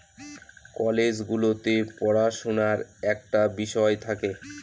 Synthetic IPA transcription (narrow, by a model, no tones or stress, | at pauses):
kɔled͡ʑɡulot̪epɔɽaʃonaɾɛk̚ʈabiʃɔet̪ʰake